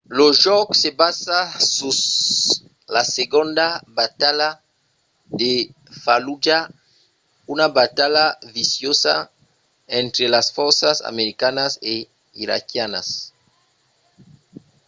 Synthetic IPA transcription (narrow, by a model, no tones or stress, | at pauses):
loʒɔksebasasus | laseɡond̪abat̪ala | d̪e | falud͡ʒa | unabat̪alavisjosa̰ | ɛnt̪ɾelasfɔɾsasa̰meɾikanase | iɾa̰kjanas